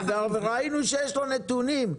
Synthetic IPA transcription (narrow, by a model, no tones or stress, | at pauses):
veaʁveʁainuʃejeʃlonet̪unim